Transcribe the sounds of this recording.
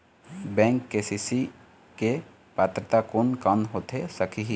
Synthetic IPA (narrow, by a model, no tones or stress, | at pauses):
bɛ̃ːŋkːesisi | ke | paːt̪ɾət̪akoːnkanɦoːt̪esəkʰiɦi